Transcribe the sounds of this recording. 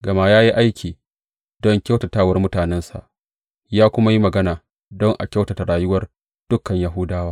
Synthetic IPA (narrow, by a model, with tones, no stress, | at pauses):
ɡɐ˨ma˦jaː˦ji˦ʔa˦jkʲiː˨ | dɔ˦ŋkʲa˦wta˨taː˦˨wɐ˦rmʊ˦taː˨nɛ˦nsa̰˨ʔ | jaː˦kʷʊ˦ma˦ji˦mɐ˨ɡɐ˦naː˨ | dɔ˦ŋʔa̰˨kʲa˦wta˨ta˨ɾaː˨jʊ˦wɐ˦r | d̥ʊ˦kːɐ˨ɲja˦ɦʊ˦daː˦waː˦